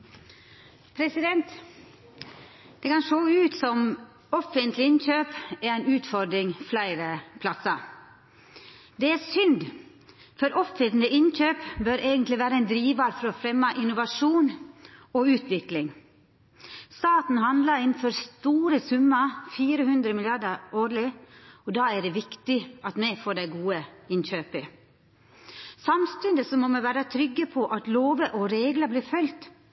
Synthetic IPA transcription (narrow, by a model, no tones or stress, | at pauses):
pʰɾɛsɪd̪ɛnt̪ | d̪̥ɛkɑnʂoːʉːt̪sɔm | ɔfənt̪lɪɪnçøːpɛɾæɪnʉːt̪fɔɾɖ̪ɾɪŋflæɪɾəpʰlɑsəɾ | d̪ɛæsʏnd̪ | fɔɾʔɔfət̪nəʔɪnçøːpbøɾʔeːɡənt̪lɪʋæːɾəɛɪnd̪ɾiːʋɑɾfɔɾɔfɾɛmːɑʔɪnʊʋɑʂuːnɔʉːt̪ʋɪklɪŋ | st̪ɑːt̪n̩hɑnd̪lɑɾɪnføːɾst̪uːɾəsʉmːəfiːɾəhʉnd̪ɾəmɪlɪɑɖəɾoːɾlɪɔd̪ɑːæɖɛʋɪkt̪ɪʔɑt̪mɛfoːɖæɪɡuːəɪnçøːpə | sɑmst̪ʉnd̪əsɔmɔmɛʋæːɾət̪ʰɾʏɡːəpʰɔʔɑt̪loːʋəʔɔɾeːɡləbliːɾfœlt̪